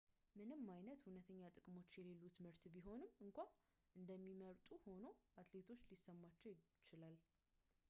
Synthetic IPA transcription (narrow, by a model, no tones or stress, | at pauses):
mɨnɨmːajnət̪hunət̪ʰəɲːat̪ʼɨkʼmo̞t͡ʃːjɛle̞lːut̪mɨɾt̪biɦo̞nɨmɨŋkʷa | ʔɨnd̪əmːiməɾt̪ʼuho̞no̞ʔat̪le̞t̪ʰo̞t͡ʃːlisːəmːat͡ʃːɛwjt͡ʃɪlal